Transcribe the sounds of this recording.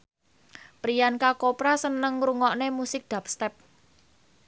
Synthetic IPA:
pɾijankakopɾasənəŋɾuŋɔʔnemusɪk̚d̪̥a̤p̚st̪ɛp̚

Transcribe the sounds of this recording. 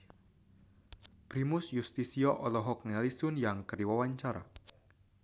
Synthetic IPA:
pɾimʊsjust̪isiɔʔɔlɔɦɔk̚nalisʊnjaŋkəɾiwawaɲt͡ʃaɾa̰

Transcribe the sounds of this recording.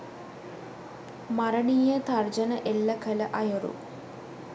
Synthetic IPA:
mɐɾɐɳiːjət̪ɐrd͡ʒɐnəʔelːɐkʰɐləʔɐjoɾṵ

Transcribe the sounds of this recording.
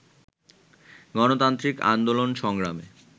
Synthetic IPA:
ɡɔnot̪ant̪ɾika̰nd̪olonʃɔŋɡɾamḛ

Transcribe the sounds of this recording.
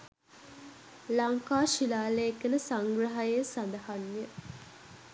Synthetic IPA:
laŋkaːʃilaːleekːənəsaŋɡɾɐɦajesand̪ɐhanjə

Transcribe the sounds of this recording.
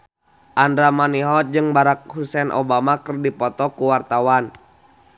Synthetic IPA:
ʔandɾamaniɦɔd͡ʒɨŋbaɾak̚husɛnʔɔ̰bamakərdipɔt̪ɔkuwart̪awan

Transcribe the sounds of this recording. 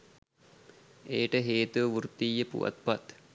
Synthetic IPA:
eːʈəɦeːt̪uʋʋuɾt̪ːijəpṵʋɐ̰t̪̚pɐt̪

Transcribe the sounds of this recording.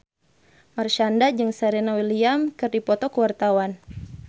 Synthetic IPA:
marʃandad͡ʒɨŋsaɾenawiliamkɨrdipɔt̪ɔkəwart̪awan

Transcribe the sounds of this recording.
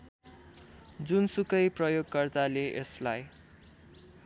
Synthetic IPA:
d͡zunsukʌjprʌjoɡ̚kʌrt̪aleʔeslaj

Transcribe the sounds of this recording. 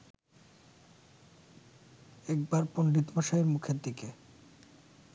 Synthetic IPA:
ɛk̚baɾpoɳɖit̪bʱaʃaeɾmukʰeɾd̪ike

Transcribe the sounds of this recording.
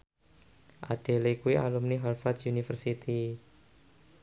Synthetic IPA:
ʔaɖ̥e̤lekuiʔalumniɦalfat̪junifərsit̪i

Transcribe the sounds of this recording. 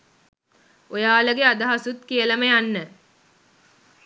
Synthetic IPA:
ojaːləɡead̪əɦasut̪kijələməjanːə

